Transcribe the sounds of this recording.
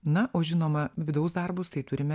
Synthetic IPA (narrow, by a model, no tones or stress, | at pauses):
nɐʔoːʒʲɪnoːmɐʋʲɪd̪ɐʊsd̪ɐɾbʊst̪ɐɪt̪ʊɾʲɪmʲɛ